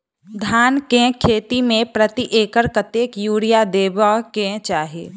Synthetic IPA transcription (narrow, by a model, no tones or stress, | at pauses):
d̪ʱaːnkẽkʰeːt̪imẽpɾət̪iʔeːkəɾkət̪jeːkjuːɾijad̪eːbakẽt͡ʃaːɦieː